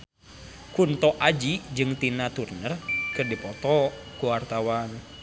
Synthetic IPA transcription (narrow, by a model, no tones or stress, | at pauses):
kunt̪ɔʔad͡ʒid͡ʒɨŋt̪inat̪urnərkɨrdipɔt̪ɔkuwart̪awan